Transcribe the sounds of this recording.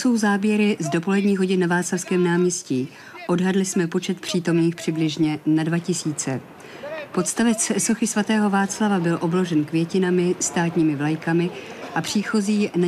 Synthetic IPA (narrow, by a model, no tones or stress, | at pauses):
so̞wzaːbjɛɾɪzdo̞po̞lɛdɲiːɣɦo̞ɟɪnnavaːslafskɛːmnaːmɲɛsciː | ʔo̞dɦadlɪsmɛpo̞t͡ʃɛt̪̚pr̥iːt̪o̞mniːxpr̥ɪblɪʒɲɛnadvacɪsiːt͡sɛ̰ | po̞t̪st̪avɛt͡sso̞xɪsvat̪ɛːɦo̞vaːt͡slavabɪlʔo̞bloʒɛnkvjɛcɪnamɪst̪aːt̪ɲiːmɪvlajkamɪʔapr̝̥iːxo̞ziːna